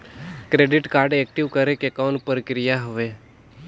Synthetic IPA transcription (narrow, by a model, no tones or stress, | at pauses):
kɾeːɖɪʈkaːɾɖeːk̚ʈiʋkəɾekekɔːnpəɾəkɾijaɦʊʋe